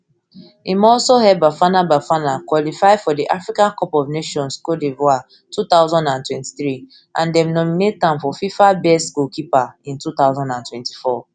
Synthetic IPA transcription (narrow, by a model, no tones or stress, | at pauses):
imɔlsohɛbafanabafanakwɔlifaɪfɔdiʔafɹikãnkɔpɔvneʃɔ̃nskodevoa | tut̪aʊzɔ̃ndãntwɛ̃nti̥θɹi | ʔãndɛ̃mnɔminet̚tãmfɔfifabɛskokipaĩntut̪aʊzɔ̃ndãntwɛ̃nti̥fɔ